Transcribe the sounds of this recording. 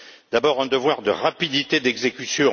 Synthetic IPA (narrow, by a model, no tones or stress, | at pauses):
d̪̥abɔʁɛ̃d̪əvwaʁd̪ə̰ʁapid̪it̪ed̪ɛɡzekʲysjɔ̃